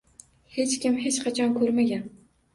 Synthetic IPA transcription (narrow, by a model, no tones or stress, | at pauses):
het͡ʃkʲɪmɦet͡ʃqʰɑt͡ʃʰɒnkʰɵɾmaɡʲan